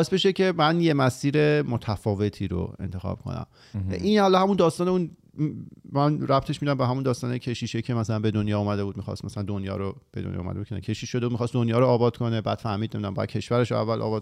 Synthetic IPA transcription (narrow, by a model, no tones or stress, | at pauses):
bɒːes̚beʃecʰe̞mænjemæsiːɾe̞mot̪ʰæfɒːve̞t̪ʰiːɾo̰e̞̰nt̪ʰe̞xɒ̰b̥̚kʰo̰næ̰m | ʔinhɒlɒhæmund̪ɒːst̪ɒːneun | mænɾæp̚t̪ʰe̞ʃmiːd̪æmbeɦæmund̪ɒːst̪ɒːnecʰe̞ʃiːʃecʰe̞mæsælænbe̞d̪onjɒːuːmæd̪e̞buːd̪mixɒ̰st̪mæsælænd̪onjɒ̰ːɾob̥e̞d̪o̰nj̰ṵmæ̰d̪eu̥enæ̰kʰeʃiːʃʃod̪eud̪mixɒst̪d̪onjɒːɾoːbɒːd̪̥kʰo̞nebæd̪̥fæhmiːd̪nemid̪æmbɒ̰jæ̰̥cʰe̞ʃvæɾe̞ʃoæ̰vːælʔɒ̰ːbɒː